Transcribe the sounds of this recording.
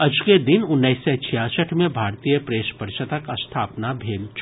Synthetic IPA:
ɐd͡ʒked̪ɪnʊnːəset͡ʃʰijaːsəʈʰmẽbʱaːɾt̪iːjəpɾeːʃpəɾɪʃət̪əkɐst̪ʰaːpnabʱeːlt͡ʃ

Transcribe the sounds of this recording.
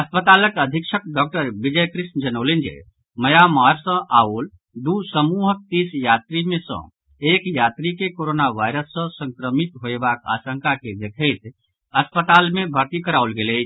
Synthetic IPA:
ɐspət̪aːləkəd̪ʱikʃʰək̚ɖɔk̚ʈəɾbid͡ʒəjkɾiʃnəd͡ʒənolend͡ʒḛ | məjamaːɾsə̃ʔaol | d̪usəmuɦək̚t̪isjaːt̪ɾimẽsə̰̃ | eːkjaːt̪ɾikekoɾonaʋaɪɾəsːə̃sə̃ŋkɾəmit̪ɦoebaka̰ːsə̃ŋkaked̪ekʰəjt̪ | əspət̪almẽbʱəɾt̪ikəɾaʊlɡelɛ

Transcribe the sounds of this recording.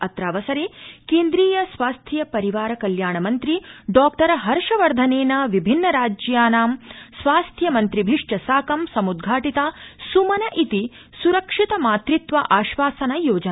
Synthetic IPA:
ɐt̪ɾaːʋɐsɐɾeːkeːnd̪ɾiːjɐsʋaːst̪ʰjɐpɐɾiʋaːɾɐkɐljaːɳɐmɐnt̪ɾiɖɔːk̚ʈɐɾɐɦɐɾʂɐʋɐɾd̪ʱɐneːnɐʋibʱinːɐɾaːd͡ʒjaːnaːmsʋaːst̪ʰjɐmɐnt̪ɾibʱiʂʈɐsaːkɐmsɐmud̪ɡʱaːʈit̪aːsumɐnɐʔit̪i | suɾɐkʂit̪ɐmaːt̪ɾit̪ʋɐʔaːʃʋaːsɐnɐjoːd͡ʒɐn

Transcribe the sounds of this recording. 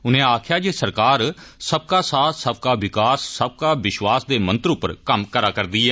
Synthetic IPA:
ʊnẽːaːkʰjaːd͡ʒeːsəɾkaːɾsəb̚kaːsaːt̪səb̚kaːʋɪkaːsːəb̚kaːʋɪʃʋaːsd̪eːmə̃nt̪ɾʊpːəɾkəmkəɾaːkəɾd̪iːɛː

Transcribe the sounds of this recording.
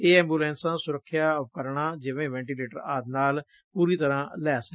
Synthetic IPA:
eːɛ̃ːmbuːlɛ̃ːnsãːsʊɾəkʰːjaːəp̚kəɾɳaːd͡ʒɪʋẽːʋɛ̃ːɳʈiːleːʈəɾaːd̪naːl | puːɾiːt̪əɾãːlɛːsə

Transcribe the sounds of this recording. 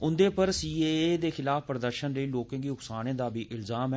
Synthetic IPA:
ʊnd̪eːpəɾsiːeːed̪eːxɪlaːfpɾəd̪əɾʃənləiːloːkãːɡiːʊksaːnẽːd̪aːbiːʔɪlzaːm

